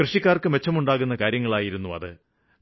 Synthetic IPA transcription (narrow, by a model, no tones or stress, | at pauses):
krɨʂikʲːaːrkɨme̞t͡ɕːɐmuɳɖaːɣunːɐkaːɾjɐŋːɐɭaːjiɾunːuɐ̰ðɨ